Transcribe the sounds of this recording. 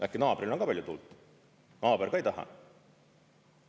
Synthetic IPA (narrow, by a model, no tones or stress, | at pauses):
ʔækːinɑːbɾilonkɑːpælʲjut̪ṵlt̪ | nɑːbeɾɡ̥ɑejt̪ɑɦɑ̰